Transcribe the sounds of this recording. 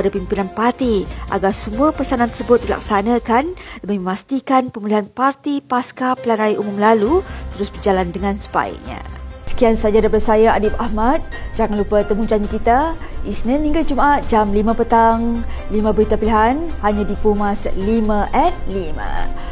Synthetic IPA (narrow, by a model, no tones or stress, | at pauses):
padapimpinanpart̪iʔa̰ɡarsəmuapəsanant̪ərsəbʊt̪̚dila̰k̚sanãkanləmiməmast̪ikanpəmuliɦanpart̪ipaskapəlaɾajʔumʊmlalut̪əɾʊsbərd͡ʒalandəŋãnsə̥pa̰ḭk̚ɲa̰sə̥kiansad͡ʒadapadasajaadipahmat̪̚d͡ʒaŋanlupət̪əmuɲd͡ʒaɲikit̪aisniniŋɡad͡ʒumaat̪̚d͡ʒamlimãpət̪aŋlimãbəɾit̪apiliɦanhaɲãdipumaslimãʔɛnlimə̰